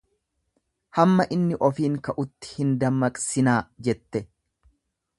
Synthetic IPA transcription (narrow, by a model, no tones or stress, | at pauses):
hɐmːɐʔɪnːɪʔɔfiːŋkɐʔʊt̪ːɪ̥hɪnd̪ɐmːɐkʼsɪnaːd͡ʒɛt̪ːɛ